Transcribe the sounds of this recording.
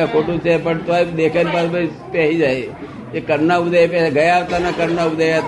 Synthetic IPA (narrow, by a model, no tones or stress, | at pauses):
akʰoʈũt͡ʃʰepəɳt̪oaid̪ekʰanipasba | pjaɦid͡ʒaj | ekəɾnaud̪ʱapaɡəjaːʋt̪anakəɾnaubd̪ʱaja